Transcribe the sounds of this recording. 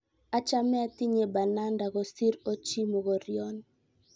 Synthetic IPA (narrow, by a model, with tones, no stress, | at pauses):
a˦t͡ʃa˦mɛ˦a˦ti˦ɲe˨ba˨na˦nda˨ɣɔ˨si˦ɾo˦t͡ʃi˦mo˨ɣɔ˨ɾjɔ˦n